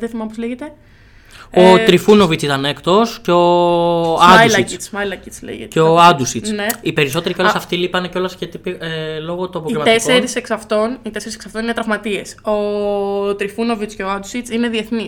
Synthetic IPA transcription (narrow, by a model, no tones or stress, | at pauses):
ðeθimɐmpozleʝet̪e̞ | ot̪ɾifuno̞vit͡sit̪ɐnekt̪o̞sceo | ɐmalɐct͡sit͡smɐjlɐcit͡slḛʝḛt̪eeoɐd̪usit͡sne̞ipe̞ɾiso̞t̪eɾieolsɐft̪ilipɐneco̞lɐscet̪ipelo̞ɣot̪oɐp̬oiimɐt̪esoeɾiseksɐft̪o̞nit̪e̞se̞ɾise̥ksɐft̪o̞ninet̪ɾɐvmɐt̪ie̞so | t̪ɾifuno̞vit͡sceoɐd̪usit͡sine̞ðie̞θni